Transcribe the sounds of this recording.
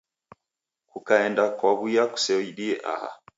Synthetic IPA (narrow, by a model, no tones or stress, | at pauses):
kukaɛndakwaβujaku̥sɛiɗiɛʔa̰ha̰